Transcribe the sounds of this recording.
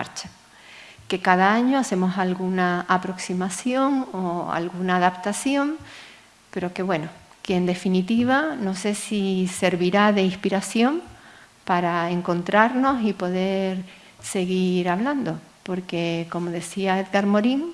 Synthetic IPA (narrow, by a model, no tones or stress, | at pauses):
a̰ɾt͡ʃḁ | ke̞kaðaaɲo̞ase̞mo̞salɣunaːpɾo̞ksimasjo̞ŋoa̰lɣunaːðapt̪asjo̞m | pe̞ɾo̞ke̞βwe̞nokeːnd̪e̞finit̪iβ̞ano̞se̞sise̞ɾβiɾaðe̞ihpiɾasjo̞m | paɾae̞ŋkõ̞nt̪ɾaɾno̞sipo̞ðe̞ɾ | se̞ɣiɾaβland̪o̞po̞ɾke̞ko̞mo̞ðe̞siae̞ðɣaɾmo̞ɾiŋ